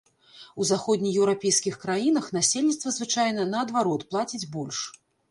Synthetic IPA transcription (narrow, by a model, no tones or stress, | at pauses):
uzaxɔd̪ʲnʲijɛwɾapʲejskʲixkɾajinɐxnasʲelʲnʲit̪st̪vɐzvɨt͡ʂajnɐnɐːd̪vaɾɔt̪plˠat͡sʲid͡zʲbɔlʲʂ